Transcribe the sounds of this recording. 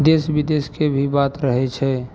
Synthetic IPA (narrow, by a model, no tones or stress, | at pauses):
d̪esbid̪eskebʱibat̪ɾəɦɛt͡ʃʰɛ